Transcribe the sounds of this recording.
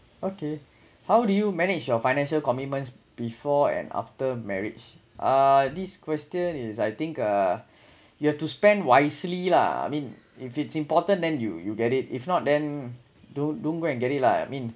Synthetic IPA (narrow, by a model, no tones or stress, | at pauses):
oke | hawdujumɛnid͡ʒjɔfajñɛ̃nʃəlkɔmit̚mə̃ns | b̥ifɔɛ̰̃na̰ftəmɛɹḭt͡ʃ | ʔadiskwɛstjə̃nisajt̪ĩŋkʌ | juhɛftuspɛ̃ndwaɪslila̰a̰mĩn | ifitsĩmpɔtə̃ndɛ̃njṵjuɡɛtit̚ifnɔt̚dɛ̃n | dõndõnɡoɛ̃nɡɛɾit̚la̰mĩn